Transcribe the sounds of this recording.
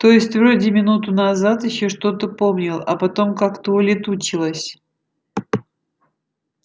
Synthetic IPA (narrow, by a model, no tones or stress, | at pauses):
t̪o̞jɪsʲtʲvɾodʲɪmʲɪnut̪ʊnɐzat̪jɪɕːoʂt̪o̞t̪əpo̞mnʲɪlˠɐ̰pɐt̪o̞mkakt̪əʊlʲɪt̪ut͡ɕɪlˠəsʲ